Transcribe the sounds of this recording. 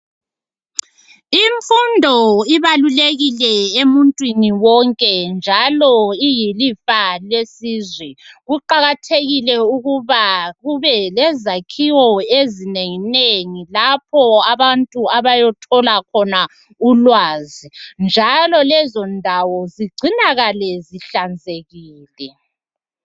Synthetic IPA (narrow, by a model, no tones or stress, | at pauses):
iɱfundʱɔiβaluleɣilɛemuntʼwiniwɔŋkʼɛnd͡ʒʱalɔijilifalesizwɛɣuǃaɣatʰeɣilɛuɣuβaɣuβɛlɛzakʰiwɔezineŋineŋilapʰɔaβantʼuaβajɔtʰɔlakʰɔna | ulwaːzind͡ʒʱalɔlɛzɔndʱawɔziɡ͡ǀʱinaɣalɛziɬand͡zʱeɣiːlɛ